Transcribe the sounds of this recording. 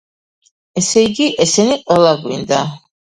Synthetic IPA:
ɛsɛiɡiʔɛsɛniqʼwɛlˠaɡwḭnd̪a

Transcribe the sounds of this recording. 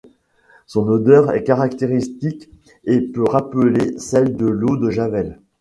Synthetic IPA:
sɔ̃nod̪œʁɛ̰kaʁakt̪eʁist̪ik | epøʁapəlesɛld̪əlod̪əʒavɛl

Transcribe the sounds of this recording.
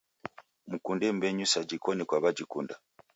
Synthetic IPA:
m̩kundɛmbɛɲusad͡ʒikɔnɛkwaβad͡ʒikunda

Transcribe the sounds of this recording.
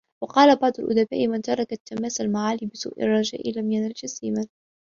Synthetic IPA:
wɑqɑːlabɑʕd̪ˤʊlʔʊ̰d̪aba̰ːʔɪmant̪ɑɾˤɑkat̪ːamaːsalmaʕaːliːbɪsṵːʔɪ̰rˤːɑd͡ʒa̰ːʔɪlamjanɾɪd͡ʒasiːman

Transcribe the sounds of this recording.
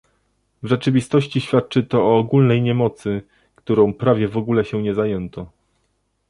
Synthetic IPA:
vʐɛt͡ʂɘvʲist̪ɔɕt͡ɕiɕfʲjat̪̚t͡ʂɘt̪ɔɔːɡulnɛjɲɛmɔt̪sɘ | kt̪uɾɔ̃w̃pɾavʲjɛvɔɡulɛɕɛɲɛzajɛnt̪ɔ

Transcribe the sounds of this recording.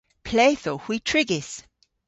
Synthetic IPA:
pʰleɪθohwitʰɹ̥ɪɡɪs

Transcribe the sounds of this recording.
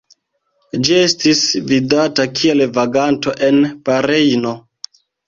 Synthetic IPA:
d͡ʒie̞stisvidatakʰie̞lvaɡanto̞ʔe̞npaɾejno

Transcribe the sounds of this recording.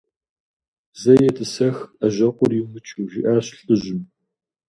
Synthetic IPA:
zɐjɛtʰɨsɐxɐʒɐqʷʊrjimɨt͡ʃʰʼuʒɪʔaːɕɬʼɨʒɪm

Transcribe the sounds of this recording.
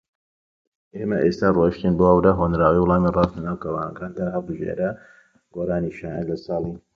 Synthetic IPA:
ʔeːmɐʔest̪aːroʃt̪inboawd̪aɦoːnɾaːwiwʊlˠɑːmirɑːstlɐnaːwkɐwaːnɐ̰kaːnd̪aɦɐlˠbɨʒḛɾɐ | ɡoːɾaːniʃaːnalɐsɑːlˠi

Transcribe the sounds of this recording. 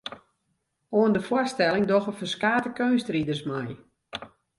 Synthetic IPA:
oəndəfwɔrstɛlɪŋdɔxəfərskaːtəkøːnstridərsmaj

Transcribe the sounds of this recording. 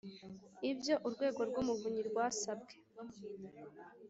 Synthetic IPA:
ibjo̞ʔuɾɡwe̞ːɡo̞ɾɡwumuvuɲiɾɡwaːsabɡe̞̥

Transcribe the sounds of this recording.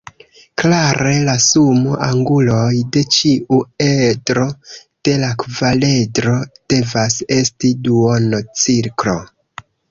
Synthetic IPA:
klaɾe̞lasumoʔaŋɡulo̞jde̞t͡ʃiʔuedɾo̞d̥e̞lakvale̞dɾo̞d̥e̞vase̞stiduonot͡siɾklo̞̰

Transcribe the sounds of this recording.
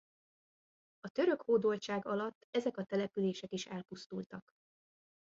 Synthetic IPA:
ɒt̪ø̞ɾø̞khoːd̪oːlt͡ʃaːɡɒlɒt̪ːɛzɛkɒt̪ɛlɛpyleːʃɛkiʃɛlpust̪ult̪ɒk

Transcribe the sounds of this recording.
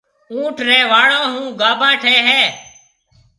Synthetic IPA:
ũːʈʰɾeːʋaːɽoːɦũːɡaːbãːʈʰeːɦeː

